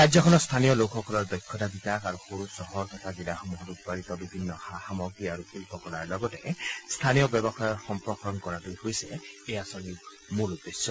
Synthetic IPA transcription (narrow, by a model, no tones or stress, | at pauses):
ɾajzɔkʰɔnɔst̪ʰanijɔlokxɔkɔlɔɹd̪ɔjkʰːɔtabitakaɾuxoɾusɔhɔɹt̪ʰɔtʰaɡidaxɔmuɦɔtut̚baɾit̪ɔbibʱinːɔhahamɔɡiaɾukilpɔkɔlaɹlɔɡɔtɛst̪ʰanijɔbjɔbɔxajɔtxɔmpɹɔxɹɔnkɔɹatujhojsɛeasɔni | mulud̪esjɔ